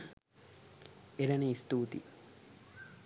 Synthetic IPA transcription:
elɐniist̪uːt̪ḭ

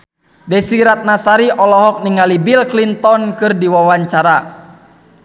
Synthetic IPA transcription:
dɛsiɾat̪̚nasaɾiʔɔlɔɦɔk̚niŋalibilklint̪ɔnkɨrdiwawaɲt͡ʃaɾa

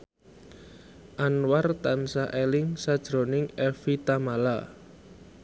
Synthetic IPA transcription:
ʔanwart̪ansaʔelɪŋsad̥ʒ̥ɾo̤nɪŋɛfit̪amala

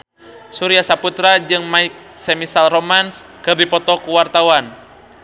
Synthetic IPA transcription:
suɾiasaput̪ɾad͡ʒɨŋmaik̚sɛmisalrɔmans | kɨrdipɔt̪ɔkuwart̪awan

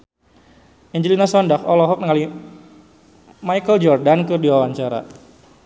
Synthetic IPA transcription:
ʔiɲd͡ʒəlinasɔndakɔlɔɦɔk̚nəŋali | majkəld͡ʒɔrdankɨrdiwawaɲt͡ʃaɾa̰

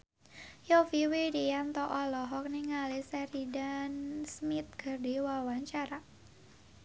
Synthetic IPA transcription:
jofiwidijant̪ɔʔɔlɔɦɔk̚niŋalisɛɾidansmit̪̚ɡ̥ərdiwawaɲt͡ʃaɾa

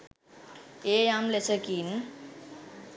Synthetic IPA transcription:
ejamlesʰəkin

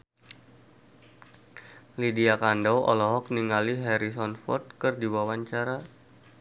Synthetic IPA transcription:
lidiakandɔwʔɔ̰lɔɦɔk̚niŋaliɦɛɾis̬ɔnfɔ̰rt̪̚kɨrdiwawaɲt͡ʃaɾa

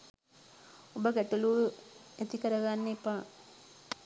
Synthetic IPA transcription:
obəɡɛʈuluːet̪ikəɾɐɡanːepaː

